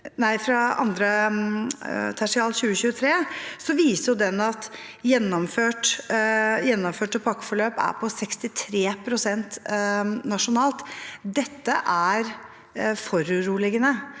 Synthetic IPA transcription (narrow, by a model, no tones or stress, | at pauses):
næɪfɾɑɑ̰nd̪ɾə | t̪ʰæʂɪɑːlɕʉːəɕʉːət̪ʰɾeːsɔʋiːsəjʊd̪ɛnːɑt̪ | jɛnːɔmføːʈ | jɛnːɔmføːʈɔpʰɑkːfɔɭøːpæ̰ɾpʰɔsɛkst̪ɪt̪ʰɾeːpʰɾʊsɛnt̪ | nɑʂʊnɑːlt̪d̪ɛt̪ːəʔæɾ | fɔɾʉɾuːlɪɡənə